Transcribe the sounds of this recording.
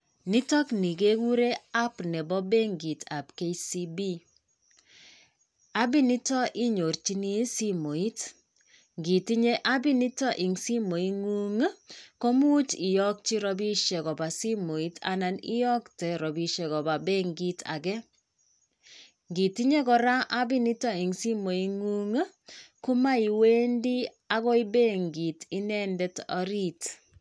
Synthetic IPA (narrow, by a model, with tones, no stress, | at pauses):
ni˦tɔ˦kni˨ke˦ku˦ɾe˦a˦pnɛ˨bɔ˦be˦ŋɡi˨tʰa˨pke˦si˦bi˦ | a˦bi˦ni˦tɔ˦ʔi˦ɲo˨rt͡ʃi˦ni˦si˦mo˨i˦t | ŋɡi˨ti˦ɲe˦ʔa˦bi˦ni˦tɔ˦ʔi˨ŋsi˦mo˨i˦ŋu˦ŋ˦ko˦mu˦t͡ʃi˨jɔ˦k̚t͡ʃi˦ɾɔ˨bi˦ʃe˨ɣɔ˨ba˨si˦mo˨i˦ta̰˨na˨nḭ˦jɔ˦ktɛ˨ɾɔ˨bi˨ʃe˨ɣɔ˨ba˨be˦ŋɡi˦ta̰˨ɡɛ˦ | ŋɡi˨ti˦ɲe˦kɔ˨ɾa˦ʔa˦bi˦ni˦tɔ˦i˨ŋsi˦mo˨i˦ŋu˦ŋ˦ | ku˦ma˦i˨we˦ndi˦ | a˦ɣɔ˦i˦be˦ŋɡi˨ti˦nɛ˦ndɛ˦tɔ̰˦ɾi˦t